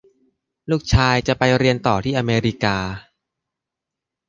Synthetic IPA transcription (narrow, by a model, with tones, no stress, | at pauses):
luː˥˩k̚t͡ɕʰaː˧jt͡ɕa˨˩pa˧jɾi˧ənt̪ɔː˨˩t̪ʰiː˥˩ʔa˧meː˧ɾi˦˥kaː˧